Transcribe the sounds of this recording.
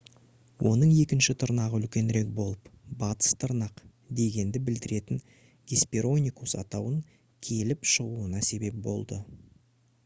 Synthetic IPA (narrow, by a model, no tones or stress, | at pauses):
wʔo̞nəɴe̞kʲɪnʃɪt̪ʰʊɾnɑʁəʏlkʲe̞nɾe̞k̚bo̞lˠəpbɑt̪ə̥st̪ʰʊɾnɑq | d̪e̞ɡʲe̞nd̪ɪbɪld̪ɪɾe̞t̪ɪŋ | ɡʲespʲeɾo̞nʲijkusɑ̰t̪ɑwəŋ | kʲʰe̞lɪpʃəʁuənɑse̞be̞p̚bo̞̰lˠd̪ə